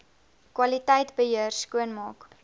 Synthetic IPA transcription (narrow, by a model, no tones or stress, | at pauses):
kwɐlitəjtbəɦiərskuənmɑːk